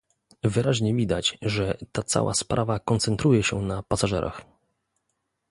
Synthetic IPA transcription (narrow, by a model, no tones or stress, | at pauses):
vɘɾaʑɲɛvʲid̪at͡ɕʐɛt̪at̪sa̰wʔa̰spɾavakɔnt̪sɛnt̪ɾujɛɕɛ̰napasaʐɛ̰ɾʔa̰x